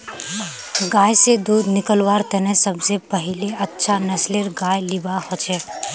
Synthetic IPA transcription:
ɡaːjsed̪uːd̪nɪkəlwaːɾt̪ɛnɛ̃sɐbsepɐɦɪleɐtːʃʰanɐsleɾɡaːjlɪbahot͡ʃʰɛː

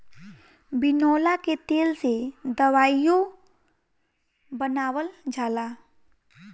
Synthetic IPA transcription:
bɪnɔːlaket̪eːlsed̪əʋaːijõ | bənaːwəld͡ʒaːlaː

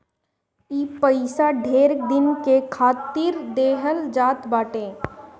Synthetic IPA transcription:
iːpəɪsaɖʱeːɾd̪ɪnkekʰaːt̪ɪɾd̪eːɦəld͡ʒaːt̪baːʈẽː

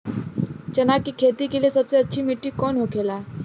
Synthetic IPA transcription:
t͡ʃɐnaːkkːikʰeːt̪ikeliesɐbseɐtːʃʰimɪʈːikɔːnɦokʰeːlaː

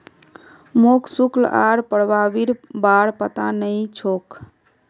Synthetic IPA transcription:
moksukla̰ɾpəɽbabiɾbaɽpət̪anəjt͡ʃʰok

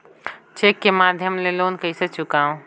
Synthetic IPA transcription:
t͡ʃekːemaːd̪ʱjəmleloːnkɐiset͡ʃʊkaːõ

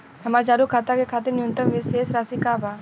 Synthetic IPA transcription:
hɐmaːɾd͡ʒaːɾukʰaːt̪akekʰaːt̪̬ɪɾnjʊnt̪əmʋɪseːsɾaːsikaːba

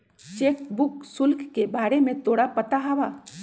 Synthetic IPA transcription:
t͡ʃeːk̚bʊksʊlkʰkebaːɾemẽt̪oːɽapət̪aɦaːʋaː

